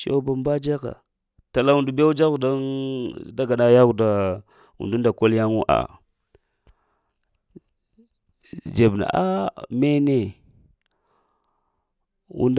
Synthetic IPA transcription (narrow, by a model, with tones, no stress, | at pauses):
so̰˦ba˨mba˦d͡ʒa˦ka̰˨ | ta˨la˦wu˨ndu˨˦ba˦wd͡ʒa˦ɣu˨da˦ | da˦ɡa˨na˦ja˦ɣu˨da˨ | ṵ˨ndu˦nda˨ko˦lja˦ŋu˦ʔa̰˨ | d͡ʒe˨bna̰˨ʔa˦me˦ne˨ | ṵ˦nd